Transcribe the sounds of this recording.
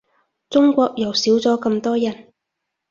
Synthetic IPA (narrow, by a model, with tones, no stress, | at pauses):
t͡sʊ˥ŋkʷɔː˧k̚jɐ˨˩wsiː˨˥wt͡sɔː˨˥kɐ˧mt̪ɔː˥jɐ˨˩n